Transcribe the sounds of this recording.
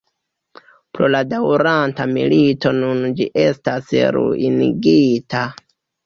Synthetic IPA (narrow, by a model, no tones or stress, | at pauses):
pɾo̞ladawɾantamḭlito̞nund͡ʒiʔe̞stasɾṵiniɡitʰa